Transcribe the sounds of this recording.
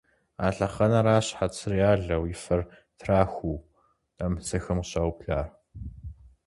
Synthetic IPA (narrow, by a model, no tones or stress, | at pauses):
a̰ːɬɐχɐnɐɾaːɕħat͡sʰɨriaːɮɐwjɪfɐr | tʰraːxʷuː | ɐmsɐxɐmɕɐwpɬaːr